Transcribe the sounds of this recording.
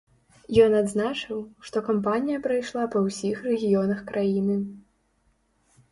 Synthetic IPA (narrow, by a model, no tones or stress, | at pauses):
jɔnad̪znat͡ʂɨwʂt̪ɔkampanʲijɐpɾajʂlˠapɐwsʲixrɛɣʲijɔnɐxkɾʔajinɨ